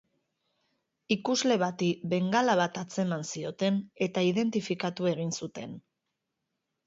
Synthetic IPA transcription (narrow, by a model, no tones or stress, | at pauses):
ikuzle̞βat̪ibe̞ŋɡalaβ̞at̪at͡se̞mansio̞t̪e̞ne̞t̪aiðe̞nt̪ifikat̪ue̞ɣ̞insut̪e̞n